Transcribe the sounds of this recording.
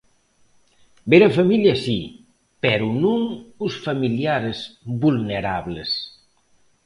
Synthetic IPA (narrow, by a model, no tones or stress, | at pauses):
beɾəfɐmiljasi | pɛɾunuŋusfɐmiljaɾezbulneɾaβles